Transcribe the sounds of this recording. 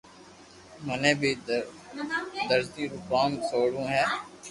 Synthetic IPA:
mənẽːbʱiː | d̪əɾt̪iːɾʊkaːnsoːɽũːɦɛː

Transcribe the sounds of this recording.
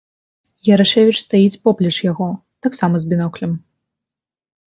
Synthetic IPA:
jɐɾaʂɛvʲit͡ʂst̪ajit͡sʲpɔplʲɐt͡ʂjaɣɔ | t̪aksamɐzbʲinɔklʲɐm

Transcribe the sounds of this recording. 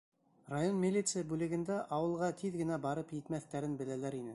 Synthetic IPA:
rajo̞nmʲɪlʲːit̪sɨjabʉlɘ̆ɡɘ̆nd̪æʔɑwɤ̆lˠʁɑt̪ʰiðɡɘ̆næbɑɾɤpjɘ̆t̪mæθt̪æɾɘnbɘ̆lælæɾinɘ

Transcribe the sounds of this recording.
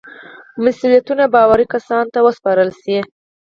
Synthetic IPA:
masulijat̪unabɑwaɾikasɑnt̪awəspɑɾəlsi

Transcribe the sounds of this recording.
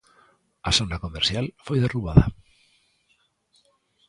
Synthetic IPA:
asonakomeɾsjalfojðeruβaða̰

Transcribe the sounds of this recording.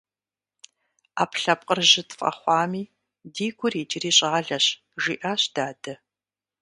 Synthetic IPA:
aːpɬɐp̚qʼərʒɪtʰfʼɐ̰χʷɑːmiː | diːɡʷʰʊriːd͡ʒʼɪriːɕʼɐʁɐɮɐɕ | ʒḭːʔaːɕd̥aːdɐ

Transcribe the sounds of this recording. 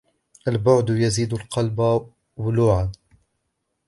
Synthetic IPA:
ʔalbʊʕd̪jaziːd̪ʊlqʰɑlba | wʊluːʕan

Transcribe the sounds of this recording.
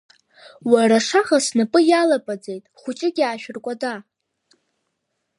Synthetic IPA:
waɾaʂaχasnɨpʼɨjalapʼad͡ze̞jtʼχʷʊt͡ʃʼɪɡʲaːʃᶣɪrkʷʼada

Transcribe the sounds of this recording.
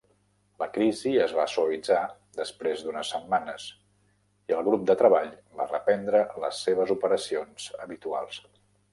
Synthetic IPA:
ləkɾiziəzβasuəlid͡za | d̪əspɾezd̪unəsəmːanəs | iəlˠɣ̞ɾup̚d̪ət̪ɾəβaʎba̰rəpɛnd̪ɾələ̰sːeβ̞əzupəɾəsionz̥əβit̪ua̰lˠs

